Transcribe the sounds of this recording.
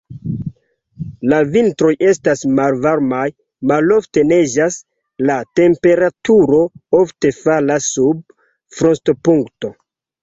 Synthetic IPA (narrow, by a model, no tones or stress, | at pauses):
lavintɾo̞jʔe̞stasmalvaɾmaj | malo̞fte̞ne̞d͡ʒas | late̞mpe̞ɾatuɾo̞ofte̞falasːub̚ | fɾontopuŋkto̞